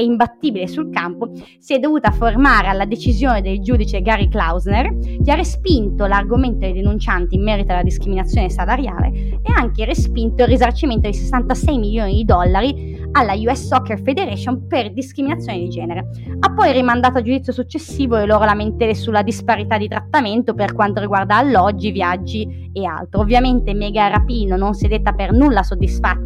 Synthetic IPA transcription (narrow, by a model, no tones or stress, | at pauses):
ɛimbat̪ːiːbilesulkampo | siɛd̪ːovuːt̪afermaːɾealːad̪et͡ʃizjoːned̪eld͡ʒuːd̪it͡ʃeɡaːɾiklawznerkearːespint̪olarɡoment̪od̪ejd̪enunt͡ʃant̪iːmːɛːɾit̪olːad̪iskɾiminat̪sːjoːnesalaɾja̰ːlḛeaŋkerespint̪oilrizart͡ʃiment̪od̪ise̥sːant̪asɛjmiljoːnid̪id̪ɔlːaɾi | alːajuɛsɔkːerfed̪eɾɛʃonperd̪iskɾiminat̪sːjoːned̪id͡ʒɛːneɾe | apːɔjrimand̪aːt̪oad͡ʒud̪it̪sːjosut͡ʃːesːiːvoelːoːɾolament̪ɛːɾesulːad̪ispaɾit̪ad̪ːit̪ɾat̪ːament̪operkwant̪oɾiɡward̪aːlːɔd͡ʒːivjad͡ʒːi | ea̰lt̪ɾoovːjament̪emɛːɡaɾapiːnononsed̪et̪ːapernulːasod̪ːisfat̪ːḁ